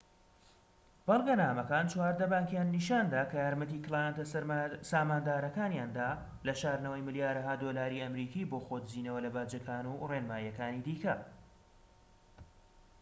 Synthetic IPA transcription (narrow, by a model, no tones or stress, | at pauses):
b̥ɑlˠɡɐnaːmɐkaːnt͡ʃwaːɾd̪ɐbaːŋkjaːnːiʃaːnd̪aːkʰɐjaːɾmɐt̪iːkɨlˠaːjat̪ɐsaːmaːnd̪aːɾɐkaːnjaːnd̪aː | lɐʃaːɾnəwɐjmɨljaːɾɐɦaːd̪olaːɾiːɐmɾiːkiːboːxod̪ziːnɐwɐlɐbaːd͡ʒɐkʰaːnurenmaːjɐkaːniːd̪iːkɐ